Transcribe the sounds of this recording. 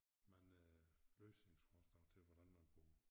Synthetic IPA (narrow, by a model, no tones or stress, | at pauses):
mænløːsneŋsfɒsd̥ɑʊt͡sʰe̝lʋɒd̥ænmænb̥o̰ː